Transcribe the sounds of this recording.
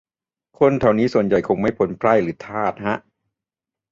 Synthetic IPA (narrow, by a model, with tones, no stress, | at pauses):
kʰo˧nt̪ʰa˨˩wniː˦˥su˨˩ənja˨˩jkʰo˧ŋma˥˩jpʰo˨˩˦npʰla˥˩jɾɯː˨˦t̪ʰaː˥˩t̪̚ha˦˥ʔ